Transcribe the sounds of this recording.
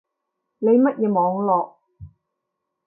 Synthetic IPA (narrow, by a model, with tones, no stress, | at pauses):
ne˨˧jmɐ˥t̚jɛː˨˧mɔː˨˧ŋlɔː˨k̚